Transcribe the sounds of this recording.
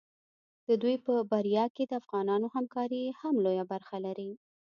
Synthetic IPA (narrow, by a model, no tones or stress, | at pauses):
d̪̥əd̪ujpəbaɾjɑked̪əafɣɑnɑnohamkɑɾihamlojabaɾxalaɾi